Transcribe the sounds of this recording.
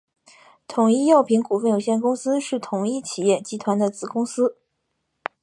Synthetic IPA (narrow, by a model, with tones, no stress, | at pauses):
t̪ʰʊ˨˩ŋi˥jɑ˥˩ʊpʰi˧˥ŋku˨˩fə˥˩njo˨˩ɕjɛ˥˩nkʊ˥ŋsɹ̩˥ʂɻ̩˥˩t̪ʰʊ˨˩ŋi˥t͡ɕʰi˨˩jɛ˥˩t͡ɕi˥t̪ʰwa˧˥nd̪ə˨t͡sɹ̩˨˩kʊ˥ŋsɹ̩˥